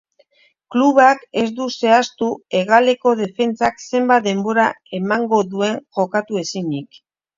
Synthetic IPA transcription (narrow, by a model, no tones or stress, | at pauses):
kluβake̞zd̪use̞ast̪ue̞ɣale̞ko̞ð̞e̞fe̞nt͡sakse̞mbat̪̚d̪e̞mbo̞ɾa | e̞maŋɡo̞ðue̞ŋʝo̞kat̪ue̞sinik